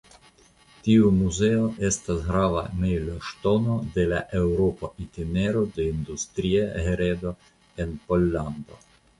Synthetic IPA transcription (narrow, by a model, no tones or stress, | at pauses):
tiumuze̞o̞ʔe̞stasɡɾava̰mejloʃto̞no̞de̞laʔe̞wɾo̞poʔit̪ine̞ɾo̞de̞ind̪ust̪ɾiaheɾedo̞ | e̞npo̞lːand̪o̞̰